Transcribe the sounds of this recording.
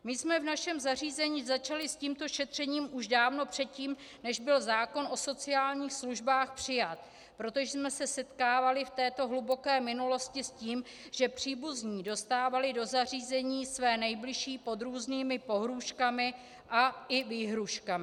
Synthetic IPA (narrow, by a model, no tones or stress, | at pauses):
mɪsmɛvnaʃɛmzariːzɛɲiːzat͡ʃalɪsciːmt̪o̞ʃɛt̪r̥ɛɲiːmʔuʒdaːvno̞pr̝̥ɛt̪̚ciːm | nɛʒbɪlzaːko̞nʔo̞so̞t͡sɪaːlɲiːxsluʒbaːxpr̝̥ɪjat̪̚ | pɾo̞t̪o̞ʒɛsmɛsɛsɛt̪kaːvalɪft̪ɛːt̪o̞ɦlubo̞kɛːmɪnulo̞scɪsciːm | ʒɛpr̝̥iːbuzɲiːdo̞st̪aːvalɪdo̞zariːzɛɲiːsvɛːnɛjblɪʃiːpo̞d̪ɾuːzniːmɪpo̞ɦɾuːʃkamɪ | ʔaʔɪviːɦɾuʃkamɪ